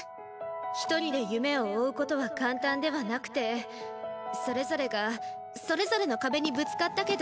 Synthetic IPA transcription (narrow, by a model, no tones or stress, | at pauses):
çi̥t̪o̞ɾʲid̪e̞jɯ̟me̞oːɯ̟ko̞t̪o̞βakãnt̪ãnd̪e̞β̞anakɯ̟̥t̪e̞ | so̞ɾe̞zo̞ɾe̞ɡa | so̞ɾe̞zo̞ɾe̞no̞kabe̞ɲ̟ibɯ̟t͡sɨ̥kat̪ːake̞d̪